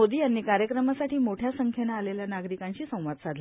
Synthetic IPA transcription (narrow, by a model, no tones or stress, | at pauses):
od̪iːjanːiːkaɾjəkɾəmasaʈʰiːmoʈʰjasəŋkʰenaːleljanaɡɾikãɲɕiːsə̃w̃ʋat̪sad̪ʱl